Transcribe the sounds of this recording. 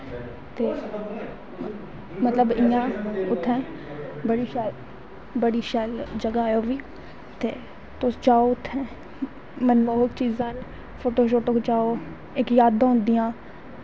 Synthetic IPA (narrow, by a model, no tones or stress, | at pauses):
t̪eː | mət̪ləbɪjãːʊt̪ʰːɛ̃ː | bəɽiːʃɛːl | bəɽiːʃɛːld͡ʒəɡaːjoːʋiː | t̪ḛː | t̪ʊst͡ʃaːoːʊt̪ʰːɛ̃ː | mənmoːɦʊkt͡ʃiːzãːn | pʰoːʈoːʃ̬oːʈoːkt͡ʃaːoː | ɪkjaːd̪ãːʊnd̪ɪjãː